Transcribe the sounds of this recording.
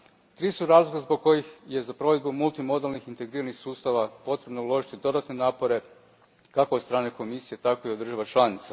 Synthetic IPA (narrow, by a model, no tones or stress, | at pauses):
t̪ɾiːsuɾaːzlˠokazboɡ̚ko̞jixje̞zapɾo̞ʋe̞d̪̚bumulˠt̪imo̞d̪alˠnixint̪e̞ɡɾiːɾanixsuːst̪aʋapo̞t̪ɾe̞bnoulˠo̞ʒit̪id̪o̞d̪at̪ne̞naːpo̞ɾe̞ | kako̞t̪st̪ɾaːneko̞misijet̪ako̞iod̪ːr̩ʒaʋat͡ʃlˠanit̪sa